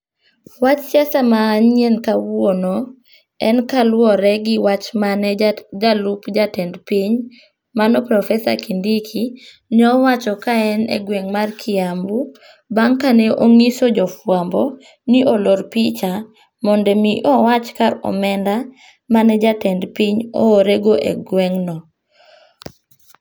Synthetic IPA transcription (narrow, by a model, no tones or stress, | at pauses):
wat͡ʃsjasamaːɲienkawono | ɛnkalwɔɾɛɡɪwat͡ʃmand͡ʒalupd͡ʒatɛndpiɲ | manɔpɾɔfɛsa̰kindikʰi | nɔwat͡ʃɔkaɛnɛ̰ɡweŋmarkʰiambu | baŋkanɛʔoŋisod͡ʒɔfwambɔ | niʔoloɾpit͡ʃa | mɔndɛmiʔɔwat͡ʃkaɾɔ̰mɛnda | manɛd͡ʒatɛndpiɲɔoɾeɡoʔḛɡwɛŋnɔ